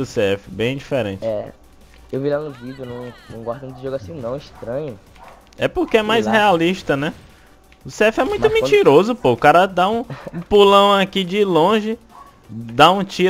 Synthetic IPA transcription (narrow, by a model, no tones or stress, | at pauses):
ʊseɛfɪ̥bẽj̃d͡ʒifeɾḛ̃t͡ʃɪɛ̰ | ewvilanʊvid͡ʒjʊnɐ̃w̃nɐ̃w̃ɡaɾd̪ɐ̃ʊʒoɡasĩnɐ̃w̃iʃt̪ɾɐ̃ɲʊ | ɛpoɾkeɛmajshealiʃt̪ɐnɛ | ʊseɛfɪɛmũj̃t̪ʊmĩt͡ʃiɾozʊpoʊkaɾɐd̪aũũpulɐ̃w̃akid͡ʒɪlõʒɪ | d̪aũt͡ʃiɾ